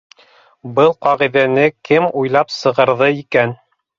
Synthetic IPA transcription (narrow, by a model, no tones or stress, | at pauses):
bɤlˠqɑʁiðænɘkɘmujlˠɑpsɤ̆ʁɤ̆ɾðɤikæn